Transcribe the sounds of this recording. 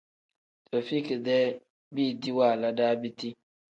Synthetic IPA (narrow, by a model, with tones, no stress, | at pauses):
to˨fi˦ki˨dɛ˦ | bi˦˨di˦wa˦˨la˦da˦bi˦ti˦